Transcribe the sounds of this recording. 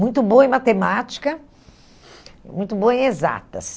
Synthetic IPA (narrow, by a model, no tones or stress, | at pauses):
mũj̃t̪ʊboɐẽmat̪emat͡ʃi̥kɐ | mũj̃t̪ʊboɐẽeza̰t̪ɐ̰s